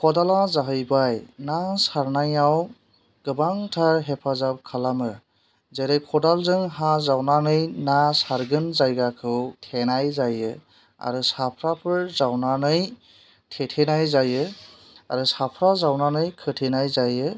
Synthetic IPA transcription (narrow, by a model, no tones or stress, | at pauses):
kʰɔdalazaɦɯjbajnasaɾnajaw | ɡ̥ɯbaŋtʰaɾɦepʰazap̚kʰalamɯ | zeɾɯjkʰɔdalzɯŋɦazawnanɯjnasaɾɡɯnzajɡakʰɯwtʰenajzajɯ | a̰ɾɯsapʰɾapʰɯɾzawnanɯj | tʰetʰenajzajɯ | a̰ɾɯsapʰɾazawnanɯjkʰɯtʰenajzajɯ